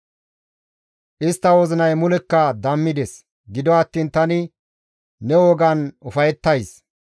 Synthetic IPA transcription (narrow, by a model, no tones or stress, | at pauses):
ʔɪst̪ːɐwɔzɪnɐjmʊlɛkːɐd̪ɐmːɪd̪ɛs | ɡɪd̪ɔɐt̪ːiːnt̪ɐnɪ | nɛwɔːɡɐnʊfɐjɛt̪ːɐjs